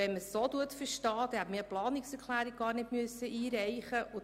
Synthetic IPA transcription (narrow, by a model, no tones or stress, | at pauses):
ɛnməsːot̪uətfəɾʃtɑːd̥ɛhæbmɪəplɑːnɪksɛɾkʰlæːɾiɡ̚ɡɑːrnɪtmyəsːəʔiːɾɛjχəʔʊ